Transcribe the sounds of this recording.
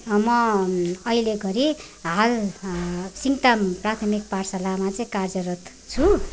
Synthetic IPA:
mʌʌileɡʌɾi | ɦal | siŋʈ̪amprat̪ʰʌmik̚parsalamat͡sʌĩkard͡zʌɾʌt̪ | t͡sʰu

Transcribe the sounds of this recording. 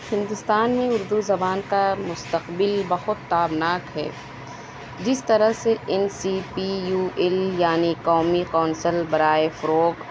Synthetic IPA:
hɪ̃nd̪ʊst̪aːnmẽʊɾd̪uzɐbaːnkamʊst̪əqbɪlbɐɦʊt̪ːaːbnaːkɦɛ̰ː | d͡ʒɪst̪ɐɾəɦseɪnsipijuːɛljaːniqɔːmiqɔːnsəlbɐɾaːefʊɾoːɡ

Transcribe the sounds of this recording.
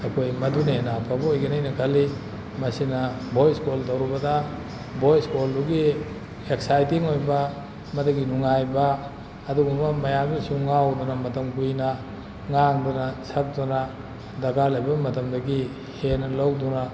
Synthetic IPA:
ekʰojmɐdunenapʰabɐojɡinɐjnɐkʰɐli | mɐsinɐbʱojskoltɐwɾibɐda | bʱojskolduɡi | eksajtiŋojbɐ | mɐdɐɡinuŋajbɐː | duɡumɐmɐjabisuŋawdunɐmɐtɐmkujnɐ | ŋaŋdunɐsɐk̚dunɐ | dɐɡalɐjbɐmɐtɐmdɐɡi | henɐlowduna

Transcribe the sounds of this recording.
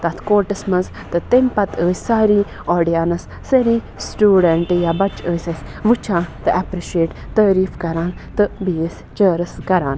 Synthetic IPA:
t̪ɐt̪ʰkoːʈɨsmɐz | t̪ɨt̪emʲpɐt̪əːsʲsaːɾiː | ɔːɖijaːnɐs | sɐɾiː | sʈuːɖeɳʈjabɐt͡ʃəːsʲɐsʲʋɨt͡ʃʰãːt̪ɨɐpɾiʃeːʈt̪əːɾiːfkɐɾaːnt̪ɨbiːs | t͡ʃəːɾɨskɐɾaːn

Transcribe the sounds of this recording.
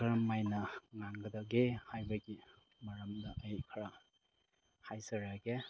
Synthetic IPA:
ɐɾɐmajnɐŋaŋɡɐdɐɡehajbɐɡi | mɐɾɐmdɐʔəjkʰɐɾa | hajsɐɾaɡe

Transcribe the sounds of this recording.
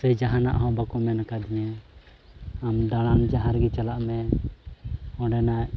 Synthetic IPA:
səjd͡ʒaɦana̰ʔɦɔ̃bakumɛnakad̪iɲɛ | amd̪aɽ̃and͡ʒaɦaɾɡɛt͡ʃalaʔmɛ | ɔ̃ɖɛnaʔ

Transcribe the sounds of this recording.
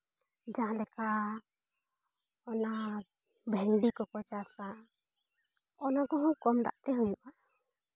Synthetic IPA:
d͡ʒaɦalɛka | ɔna | bʱɛŋɖikɔkɔt͡ʃasa | ɔnakɔɦukɔmd̪a̰ʔt̪ɛɦujuʔa

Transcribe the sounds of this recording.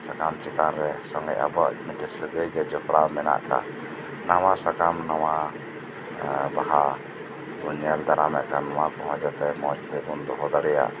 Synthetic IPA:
sakamt͡ʃɛt̪anɾɛsɔŋɛ̰ʔʔa̰bɔʔmiʈəsəɡəjd͡ʒɛd͡ʒɔpɾamɛna̰ʔka̰ | nawasakamnawa | baɦa | uɲɛld̪aɾamɛʔkanawakɔɦɔ̃d͡ʒat̪ɛmɔt͡ʃt̪ɛbund̪ɔɦɔd̪aɾɛja̰

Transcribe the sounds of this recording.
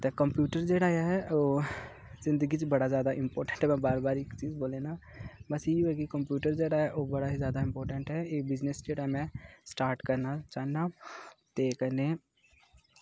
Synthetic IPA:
t̪ekɐ̃mpjuːʈəɾd͡ʒeːɽaːjaɦɛoː | zɪ̃nd̪əɡit͡ʃbɐɽazjaːd̪aʔɪ̃mpoːɾʈə̃ɳʈɦɛmɛ̃baːɾbaːɾeːkt͡ʃiːzboːlenaː | bɐsijibekikɐmpjuːʈəɾd͡ʒeːɽaɦɛʔoːbɐɽaɦizjaːd̪aɪ̃mpoːɾʈə̃ɳʈɦɛeːbɪd͡ʒnesd͡ʒeːɽamẽsʈaːɾʈkɐɾnat͡ʃaːnat̪eːkəne

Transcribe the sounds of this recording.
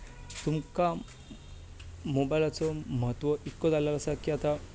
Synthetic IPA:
t̪umka | mobajlat͡sɔmɦət̪ʋəʔikːɔd͡zaljalasaɾkiat̪a

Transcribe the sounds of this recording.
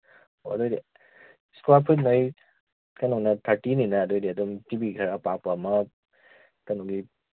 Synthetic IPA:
oɐdɔjdi | skuapʰut̚noj | kanɔnatʰaɾtininaːdɔjdiɐdumtibikʰaɾapak̚pamɐ | kanɔɡi

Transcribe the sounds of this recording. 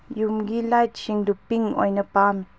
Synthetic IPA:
jumɡilajt̚t͡ʃiŋdupiŋɔ̰jnəpam

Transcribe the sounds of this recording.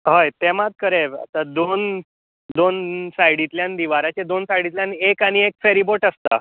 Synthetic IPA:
ɦəjt̪emat̪̚kəɾea̰t̪ad̪on | d̪onsajɽit̪ljand̪iʋaɾat͡ɕed̪onsajɽit̪ljanekaɽ̃iekfeɾiboʈəst̪a

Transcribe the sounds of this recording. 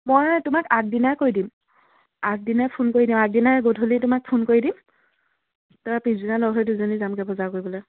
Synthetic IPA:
mojtʊmakak̚dinakoɹidim | ak̚dinapʰunkoɹidimaɡ̚dinaɡodʱulitʊmak̚pʰunkoɹidim | taɹapizinalɔɦɔjduzonizamkɛbɔzakoɹibɔlɔj

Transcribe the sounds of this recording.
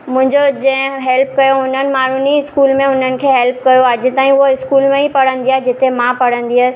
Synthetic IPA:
mʊ̃ɦɪ̃ɲd͡ʑod͡ʑɐ̃ɦɦɛlp̚kɐjoʊn̤ənɪ̆maːɾ̤uniɪskuːlmẽʊn̤ənɪ̆kʰeːɦɛlp̚kɐjoɐd͡ʑɪ̆t̪aːĩʊoɪskuːlmẽipɐɽ̤ə̃nd̪iaːɦɛd͡ʑɪt̪emãpɐɽ̤ə̃nd̪iaː

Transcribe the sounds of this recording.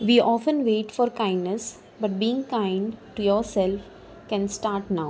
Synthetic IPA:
ʋiːʔɔːfə̃nʋeːʈfɔːɾkãɪ̃nɖnəs | bʌʈ̚biːɪ̃ŋkãɪ̃ɳɖʈujɔːɾsɛlf | kɛ̃nsʈaːɾʈnaʊ

